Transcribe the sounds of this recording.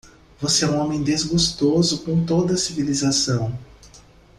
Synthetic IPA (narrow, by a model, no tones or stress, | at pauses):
voseɛũõmẽj̃d̪ezɡust̪ozʊkõt̪od̪ɐsivilizasɐ̃w̃